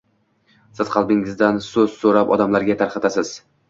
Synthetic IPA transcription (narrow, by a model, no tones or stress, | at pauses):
sɪz̥qʰɑlˠbɪŋɪzd̪ansɵz̥soɾapɒ̰d̪amlaɾɡʲat̪ʰaɾqʰɑt̪asɪz̥